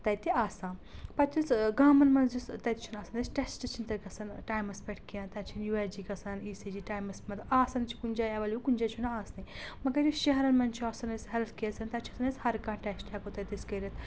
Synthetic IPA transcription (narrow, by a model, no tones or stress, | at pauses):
t̪ɐjt̪iaːsãːnpɐt̪ʰisɡaːmɐnmɐnzist̪ɐt̪ʲt͡ʃʰunaːsand̪ɐsʈɐsʈɐt͡ʃʰint̪ɐɾkɐsɐnʈaːjmɐspʲɐʈʰkijãːnt̪ɐt͡ʃʰinjuʋaːd͡ʒiːkɐsɐniːsid͡ʒiːʈaːjmɐsmɐt̪aːsɐnt͡ʃʰi̥kunʲd͡ʒaːjaʋɐlʲukund͡ʒaːt͡ʃʰunaːsnɐjmɐɡɐɾjuʃɐɦɾɐnmɐnt͡ʃʰiaːsɐnɐsɦɛlt̪ʰkiɐsɐnt̪ɐt͡ʃʰisʰɐnɐshɐɾkãːʈɛsʈakot̪ɐt̪iskɐɾʲɐt̪